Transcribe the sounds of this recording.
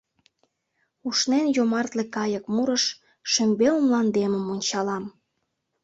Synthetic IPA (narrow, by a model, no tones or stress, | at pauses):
uʃnenjomɑrt̪lekɑjəkmuɾəʃ | ʃømbeumlɑnd̪emə̆monʲt͡ɕɑlɑm